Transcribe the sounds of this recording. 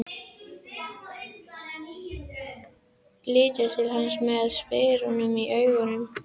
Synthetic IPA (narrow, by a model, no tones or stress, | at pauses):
lɪːt̪ɪɾt̪ʰɪlɦansmɛðsveːɾʊnʏmiʔœɥɣʏnʏm